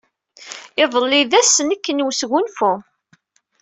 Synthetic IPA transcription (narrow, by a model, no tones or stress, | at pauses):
ɪðˤəlːɪðæsənəkːənwsɣunfu